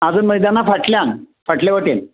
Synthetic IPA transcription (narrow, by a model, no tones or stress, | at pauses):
ad͡zənməjd̪anːafʰəʈljan | fəʈleʋəʈen